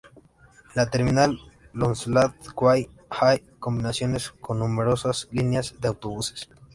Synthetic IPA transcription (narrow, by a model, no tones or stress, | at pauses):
lat̪eɾminal | lonsulaðkwaj | hajko̞mbinasjo̞nesko̞nːumeɾosaslinjazdeawt̪oβuse̥s